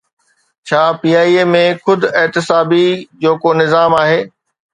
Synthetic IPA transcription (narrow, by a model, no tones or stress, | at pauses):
t͡ɕʰaːpiːaːiːeːmẽxʊd̪ʱʊɛt̪ɪsaːbid͡ʑoːkonɪzaːmaːɦeː